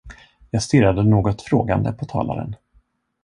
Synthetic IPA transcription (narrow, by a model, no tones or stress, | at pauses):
jɑːɡst̪ɪɾad̪ənoːɡɔt̪fɾoːɡand̪ə̰pʰɔt̪ʰɑ̰ːla̰ɾə̰n